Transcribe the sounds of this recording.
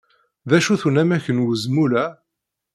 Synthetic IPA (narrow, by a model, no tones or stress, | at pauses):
ðæʃuθunæmæçənwəzmulæ